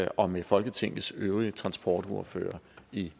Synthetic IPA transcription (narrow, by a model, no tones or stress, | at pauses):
ɒ̽mefɒ̽lɡ̥ət͡sʰeŋ̰l̩søːʊʁiət͡sʰʁɑ̈nsb̥ɒ̰ːd̥oɐ̰fø̰ːɐi